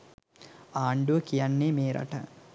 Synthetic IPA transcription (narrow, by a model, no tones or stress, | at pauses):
aːɳɖuʋɐkijaɳːeːmeːɾɐ̰ʈɐ̰